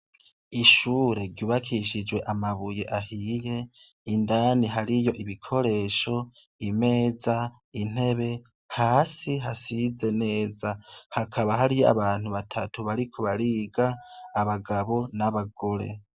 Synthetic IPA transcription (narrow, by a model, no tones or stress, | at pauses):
iʃuːɾe̞ɾɟuːβakʰiʃid͡ʒwe̞ʔamaβuje̞ʔahije̞ | indaːniɦaɾijo̞ʔiβikʰo̞ɾe̞ːʃo̞ | ime̞ːza | in̥e̞βe̞ | haːsiɦasize̞ne̞ːzahakʰaβaɦaɾijoa̰βaːn̥uβatʰatuβaɾikʰo̞βaɾiːɡaːβaɡaβo̞naβaɡo̞ɾe̞̰